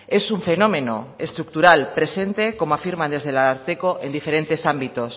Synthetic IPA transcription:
e̞suɱfe̞nomẽ̞no̰est̪ɾuk̚t̪uɾalpɾe̞se̞nt̪eko̞moafiɾmãnd̪e̞zð̞elaaɾt̪ekoʔe̞nd̪ife̞ɾe̞nt̪e̞sambit̪os

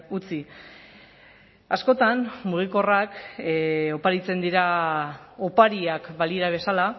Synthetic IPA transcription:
ut͡si | asko̞t̪anmuɣ̞iko̞rak | o̞paɾit͡se̞nd̪iɾa | o̞paɾiakbaliɾaβ̞e̞sala

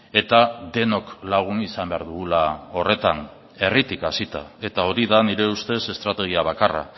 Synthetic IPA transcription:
e̞t̪aðe̞no̞klaɣ̞unisambe̞aɾðuɣulao̞re̞t̪an | e̞rit̪ikasit̪a̰e̞t̪ao̞ɾiðaniɾe̞ust̪e̞se̞st̪ɾat̪e̞ɣ̞iaβ̞akara̰

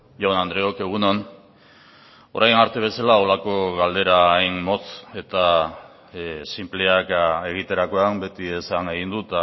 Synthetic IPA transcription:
ʝonand̪ɾe̞oke̞ɣ̞unon | o̞ɾajnaɾt̪e̞β̞e̞salao̞lako̞ɣald̪e̞ɾaajnmo̞se̞t̪a | simpleake̞ɣ̞it̪e̞ɾako̞ambe̞t̪ie̞saŋeɣind̪ut̪a

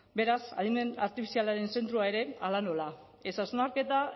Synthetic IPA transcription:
be̞ɾasa̰ðimena̰ɾt̪ifi̥sialaɾe̞nse̞nt̪ɾuaeɾe̞alano̞la | e̞sasunaɾke̞t̪a

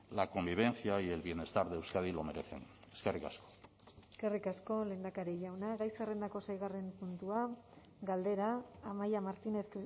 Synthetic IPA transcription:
lako̞mbiβ̞e̞nθiajelβje̞ne̞st̪aɾðeewskaðilo̞me̞ɾe̞θe̞̰neske̞rika̰sko̥ | eske̞rikasko̞le̞ːnd̪akaɾiʝawnaɣajsare̞nd̪ako̞sajɣ̞are̞mpunt̪ua | ɡald̪e̞ɾaːmajamaɾt̪ine̞θk

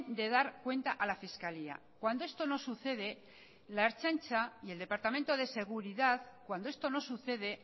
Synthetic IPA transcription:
d̪e̞ðaɾkwe̞nt̪aʔalafiskalia̰ | kwand̪oe̞st̪o̞no̞suθe̞ð̞e̞ | laeɾt͡ʃant͡ʃaie̞ld̪e̞paɾt̪ament̪o̞ð̞e̞se̞ɣ̞uɾiðaðkwand̪oe̞st̪o̞no̞suθe̞ð̞e̞

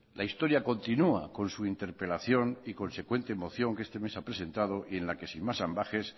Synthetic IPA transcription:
laist̪o̞ɾjako̞nt̪inua̰ko̞nsuint̪e̞ɾpe̞laθjo̞niko̞nse̞kwe̞nt̪eːmo̞θjo̞ŋkee̞st̪e̞me̞sapɾe̞se̞nt̪að̞o̞ʔiẽ̞nlake̞simmasambaxe̞s

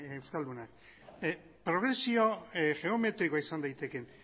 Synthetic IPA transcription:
ewskald̪unak | pɾo̞ɣ̞ɾe̞sio̞ʝe̞ome̞t̪ɾiko̞aisand̪ajt̪e̞ke̞n

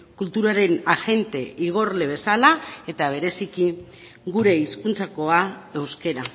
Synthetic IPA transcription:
kult̪uɾaɾe̞naxe̞nt̪e̞iɣ̞o̞rle̞β̞e̞salae̞t̪aβ̞e̞ɾe̞siki | ɡuɾe̞iskunt͡sako̞ae̞wske̞ɾa

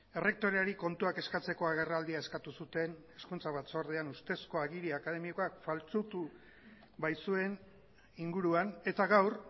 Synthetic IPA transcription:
e̞re̞k̚t̪o̞ɾeaɾiko̞nt̪uake̞skat͡se̞ko̞aɣ̞e̞rald̪iae̞skat̪usut̪e̞neskunt͡saβat͡so̞ɾðeanust̪e̞sko̞aɣiɾiakað̞e̞miokoakfalt͡sut̪u | βajsue̞n | iŋɡuɾuane̞t̪aɣawr

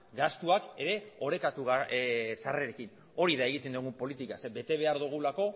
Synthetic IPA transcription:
ɡast̪uake̞ɾe̞o̞ɾe̞kat̪uɣsareɾe̞kin | o̞ɾiðae̞ɣ̞it̪e̞nd̪uɣumpo̞lit̪ikasebe̞t̪e̞βe̞aɾðuɣ̞ulako̞

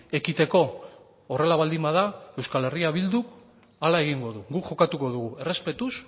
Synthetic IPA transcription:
e̞kit̪e̞ko̞ː | re̞laβald̪imbaðae̞wskale̞riaβild̪uk | alae̞ɣiŋɡo̞ðuɣukʝo̞kat̪uko̞ðuɣue̞re̞spe̞t̪us

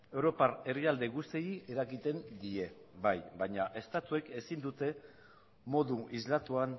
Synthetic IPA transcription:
ewɾo̞paɾe̞riald̪e̞ɣust̪iieɾakit̪e̞nd̪ie̞bajbajɲaʔe̞st̪at̪ue̞ke̞sind̪ut̪e̞ | mo̞ðuʔizlat̪uan

